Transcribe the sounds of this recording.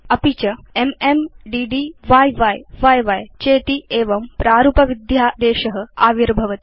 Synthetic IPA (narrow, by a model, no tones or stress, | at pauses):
ɐpit͡ʃɐememɖiːɖiʋaːjʋɐjʋaːjʋajt͡ʃeːt̪iʔeːʋɐmpɾaːɾupɐʋid̪jaːd̪eːʃɐɦɐ̆aːʋiɾbʱɐʋɐt̪i